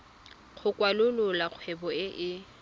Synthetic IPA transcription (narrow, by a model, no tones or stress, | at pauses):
k͡xʰʊkʼwalʊlʊlaq͡χʰwɛbɔɪʔɪ